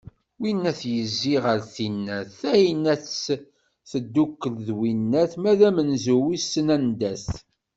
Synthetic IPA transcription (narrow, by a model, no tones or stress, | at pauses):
winːæθjəzːiʁəɾθinːæθæinːæθs | θəd̪ːukːəlðwinːæθmæðæmənzuwisːənænd̪æθ